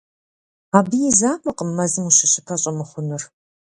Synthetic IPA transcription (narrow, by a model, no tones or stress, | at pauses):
aːbɨjizaːmʼɐqʼəmːɐzɨmuɕɪɕɪpʰɐɕʼɐmɨχʷʊnɨr